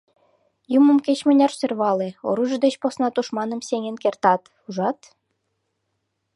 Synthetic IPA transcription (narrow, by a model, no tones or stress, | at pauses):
jumə̆mket͡ɕmɘ̆nʲɑrsø̆rβɑleo̰ɾuʒɤ̆d̪et͡ɕposnɑt̪uʃmɑnɤ̆msʲeŋʲĕnkert̪ɑt̪ | uʒɑt̪